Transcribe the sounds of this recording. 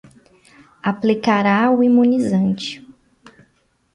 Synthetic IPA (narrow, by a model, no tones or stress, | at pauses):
aplikaɾaʊimũnizɐ̃nt͡ʃɪ̥